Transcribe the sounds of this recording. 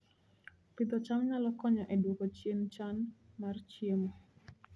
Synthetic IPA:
pid̪ɔt͡ʃamɲalɔkɔɲɔʔɛdwokot͡ʃjent͡ʃanmart͡ʃiemɔ

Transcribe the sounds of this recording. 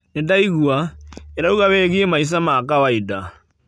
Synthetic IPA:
nendaiɣuaeɾauɣaβeɣiemais̬amakawaida

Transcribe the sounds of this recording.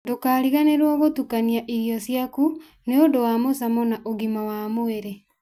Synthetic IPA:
dokaːɾiɣaneɾwɔɣotukaniaʔiɾjɔsjaku | neondowamos̬amɔnaʔoɣimawamoeɾe

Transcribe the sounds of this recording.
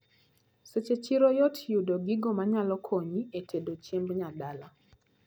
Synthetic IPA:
set͡ʃet͡ʃiɾojotʰjudoɡiɡɔmaɲalɔkʰoɲietʰedot͡ʃembɲadala

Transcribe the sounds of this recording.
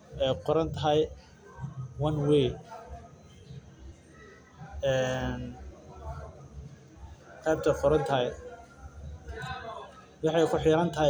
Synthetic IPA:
ɛjqɔɾɐnt̪ʰɐɦɛj | wɐnwej | ɛːn | t̪ʰaːb̚t̪ʰɐqɔɾɐnt̪ʰɐɦɛj | wɑħɑjkʰʊħɪɾɐnt̪ʰɐɦ

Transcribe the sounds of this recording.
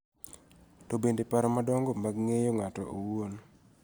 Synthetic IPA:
tɔbendepaɾmadɔŋɡɔmaɡŋejoŋatɔ̰ʔowuon

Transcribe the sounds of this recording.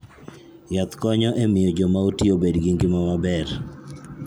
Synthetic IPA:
jat̪kɔɲɔʔemɪjɔd͡ʒomaotiobedɡɪŋɡɪmamabɛr

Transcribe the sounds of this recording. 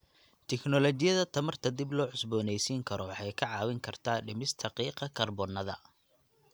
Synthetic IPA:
t̪ʰɛknɔlɔt͡ʃɪjɐðɐt̪ʰɐmɐrt̪ʰɐd̪ɪblɔːʕʊsbɔːnɛjsiːŋkʰɐɾɔwɑħɑjkʰɐʕɑːwɪŋkʰɐrt̪ʰaːɖɪmɪst̪ʰɐqiːqɐkʰɐrbɔnːɐðɐ̰

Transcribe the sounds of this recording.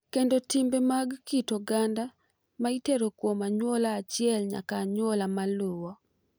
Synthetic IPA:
kendotimbemaɡːitoɡanda | maiteɾokwomaɲwolaːt͡ʃɪɛlɲa̰kaɲwolamaluwɔ

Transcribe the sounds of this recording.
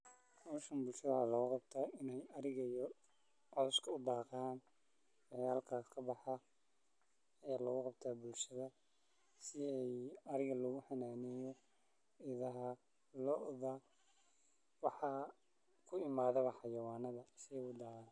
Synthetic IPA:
ɔːʃɐnbʊlʃɐðɐaːlɐɣʊqɑbt̪ʰaːɪnɛjɐɾɪɣɐijɔ | ʕɔːskʰɐʊd̪ɑːqaːn | wɐjaːlkʰakʰɐbɑħɑ | jaːlɐɣʊqɑb̚t̪ʰaːbʊlʃɐðɐ | sɪɛjɐɾɪɣɐlɔɣʊħɑnaːnɪjɔ | ɪðɐɦɐ | lɔʔðɐ | wɑħɑ | kʰʊɪmaːðɐβɐħɑjɐwaːnɐðɐsɪɛʊd̪aːn

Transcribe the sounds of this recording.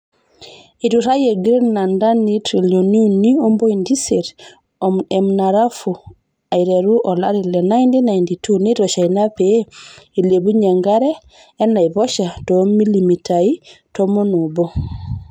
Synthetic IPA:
ituɾajeɡɾinandanitɾiloniunːiɔmbojindiseɾ | ɔmɛmnaɾafu | ajɾɛɾuʔɔlaɾilɛnajndinajnditunitɔʃajnapɛilebuɲɛŋɡaɾɛː | nːajbɔʃatɔmilimitʰaitɔmɔnubɔ

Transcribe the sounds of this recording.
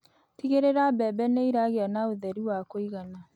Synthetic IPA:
tiɣeɾeɾabɛbɛneiɾaɣeanaoðɛɾiwakoiɣana

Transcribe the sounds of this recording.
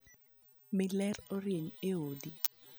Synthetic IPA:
mɪlɛroɾjeɲeodi

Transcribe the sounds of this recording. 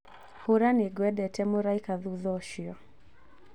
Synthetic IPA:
huɾaniɡwɛɗɛtɛmuɾaikaðuðɔʃiɔ

